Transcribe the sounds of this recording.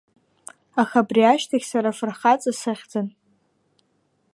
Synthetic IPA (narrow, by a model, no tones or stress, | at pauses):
axabriaʃtʰaɡʲsaɾafɨrχat͡sʼasɨχʲd͡zɨn